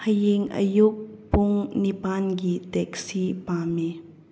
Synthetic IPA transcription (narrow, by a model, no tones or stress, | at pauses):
həjiŋʔə̰juk̚puŋnipankitɛk̚sipame